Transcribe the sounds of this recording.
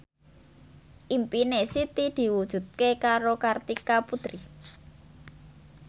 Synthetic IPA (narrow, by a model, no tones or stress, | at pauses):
ʔimpinesit̪id̪̥i̤wud̥ʒ̥ṳd̪̚kekaɾokart̪ikaput̪ɾi